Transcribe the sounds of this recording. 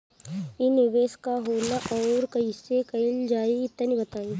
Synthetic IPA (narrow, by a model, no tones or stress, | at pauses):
inɪʋeːskaɦoːnaʔɔːɾkɐisekɐɪld͡ʒaːiɪt̪ːənibɐt̪aːiː